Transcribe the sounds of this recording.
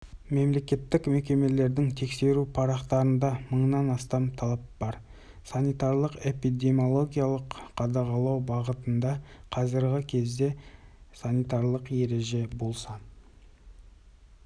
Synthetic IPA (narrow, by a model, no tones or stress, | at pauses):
me̞mle̞kʲe̞t̪ːɪkmekʲe̞me̞le̞ɾd̪ɪŋt̪ʰe̞kse̞ɾupʰɑɾɑqt̪ɑɾənd̪ɑməɴnɑnɑst̪ɑmt̪ʰɑlˠɑp̚b̥ɑɾ | sanijt̪ɑɾlˠəqe̞pid̪e̞mo̞lˠo̞ɡʲijalˠəqqʰːɑd̪ɑʁɑlˠɑwbɑʁət̪ənd̪ɑqʰɑzəɾʁəkʲʰe̞zd̪e̞sanijt̪ɑɾlˠəqje̞ɾe̞ʒe̞bo̞lˠsɑ